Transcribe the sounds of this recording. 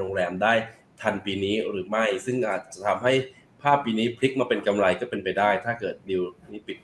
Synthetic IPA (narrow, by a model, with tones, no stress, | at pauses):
oː˧ŋɾɛː˧mdaː˥˩j | t̪ʰa˧npiː˧niː˦˥ɾɯː˩˦ma˥˩jsɯ˥˩ŋʔaː˨˩t̪̚t͡ɕa˨˩t̪ʰa˧mɦa˥˩j | pʰaː˥˩pːiː˧niː˦˥pʰɾi˦˥k̚maː˧pe˧nka˧mɾa˧jkɔː˥˩pe˧npa˧jdaː˥˩jt̪ʰaː˥˩kɤː˨˩t̪̚di˧wniː˦˥pi˨˩t̪̚